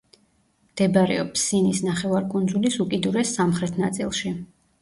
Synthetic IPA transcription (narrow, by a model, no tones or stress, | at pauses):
md̪̥ɛbaɾɛ̰ɔpʰsinisnaχɛvaɾkʼund̪zulisukʼid̪uɾɛsːamχɾɛt̪ʰnat̪sʼḭlˠʃi